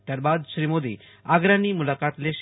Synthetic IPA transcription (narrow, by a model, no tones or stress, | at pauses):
t̪jaɾbad̪ɕɾimod̪ḭː | aɡɾaniːmulakat̪leɕ